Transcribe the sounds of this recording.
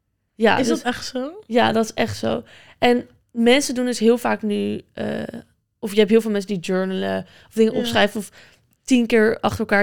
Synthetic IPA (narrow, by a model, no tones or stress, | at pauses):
ja̰ɪsdsɛχtsowjadɔtɪsʔɛχtso̰w | ʔɛn | mɛnsədunəsɦɪːlˠvaːknyə̰ | ɔfjəɦɛp̬̚ɦɪːlˠɪlˠmɛnsədid͡ʒøːɹnələ | ɔvdɪŋəʔɔpsχrɛjvənɔf | tinkɪːɹɑχtəɹɛlˠkaː